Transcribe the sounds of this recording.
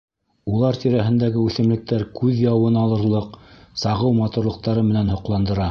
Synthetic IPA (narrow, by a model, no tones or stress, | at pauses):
ulˠɑɾt̪iɾæɦɘ̆nd̪æɡɘʉθɘ̆mlɘ̆k̚t̪æɾkʉðjɑwɤnɑlˠɤ̆ɾlˠɤqsɑʁɤwmɑt̪uɾlˠɤ̆q̚t̪ɑɾɤmɘ̆nænhŏqlˠɑnd̪ɤ̆ɾɑ